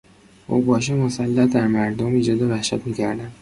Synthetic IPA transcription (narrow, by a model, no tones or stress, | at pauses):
o̰bɒːʃ̬emosælːæd̪æɾmæɾd̪omiːd͡ʒɒːd̪evæhʃæt̪miːcʰæɾd̪ænd̪